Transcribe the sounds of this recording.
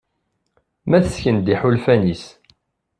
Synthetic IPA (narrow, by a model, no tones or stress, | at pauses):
mæθəsçənd̪iħulfænis